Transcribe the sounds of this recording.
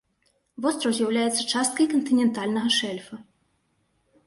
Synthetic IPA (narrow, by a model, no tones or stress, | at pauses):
vɔst̪ɾɐwzʲjɐwlʲajɛt̪sːɐt͡ʂast̪̚kɐjkɐnt̪ɨnʲɛnt̪alʲnɐɣɐʂɛlʲfɐ